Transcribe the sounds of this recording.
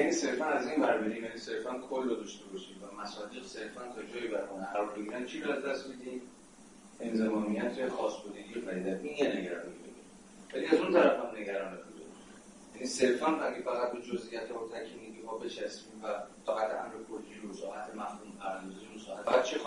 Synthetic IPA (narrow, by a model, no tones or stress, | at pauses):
jænise̞ɾfænæziːnbæɾbeɾiːmjænise̞ɾfænkʰolːɔd̪ɒʃt̪e̞bɒʃiːmvæmæsɒːd̪iːɣse̞ɾfænt̪ʰɒd͡ʒɒːjibæɾxunæɾɒːɾbeɡʲiɾænt͡ʃʰiɾɔæzd̪æst̪mid̪im | ʔe̞nzemɒːnijæt̪ʰexɒːsbod̪eɡʲiefæɾiːd̪æt̪injeneɡæɾɒːnibeɡe | væliæzunt̪ʰæɾæfhæmne̞ɡæɾɒːnet̪bud̪e | jænise̞ɾfænæɡifæɣæt̪̚bed͡ʒozʔijæt̪ʰbot̪ʰækʰimiɡ̪imɒːbe̞t͡ʃʰæsmiːmvæfæɣæt̪ʔæ̰mɾekʰold͡ʒiusɒːhæt̪ʰemæfhuːmpʰæɾænd̪ɔɒziunsɒːhæt̪æt̪̚t͡ʃʰi